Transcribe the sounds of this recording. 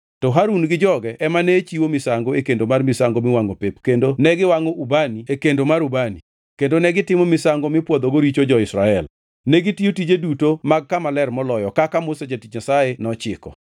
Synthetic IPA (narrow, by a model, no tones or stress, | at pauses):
tɔɦaɾunɡɪd͡ʒɔɡɛʔɛmanɛt͡ʃiwomɪsaŋɡoekendomarmɪsaŋɡomɪwaŋopepkendonɛɡɪwaŋoʔubaniekendomaɾubanḭ | kendonɛɡɪtɪmɔmɪsaŋɡomɪpwod̪oɡoɾit͡ʃod͡ʒɔɪsɾaɛl | nɛɡɪtiotid͡ʒedutomaɡ̚kamalɛrmɔlɔjɔkakamosad͡ʒatit͡ʃɲasaenɔt͡ʃɪkɔ̰